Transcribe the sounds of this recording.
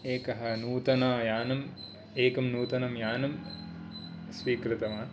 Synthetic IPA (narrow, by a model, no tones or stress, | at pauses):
eːkɐɦɐ̆nuːt̪ɐnaːjaːnɐm | eːkɐmnuːt̪ɐnɐmjaːnɐm | sʋiːkɾɪt̪ɐmaː